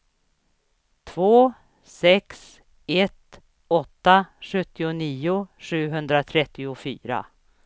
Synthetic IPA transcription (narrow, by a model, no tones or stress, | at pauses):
t̪ʰvoː | sɛks | ɛt̪ | ɔt̪ːaɧɵt̪ːɪʊniːʊʂʉ̟ːɦɵnd̪ɾat̪ʰɾɛt̪ːɪʊfy̰ːɾa̰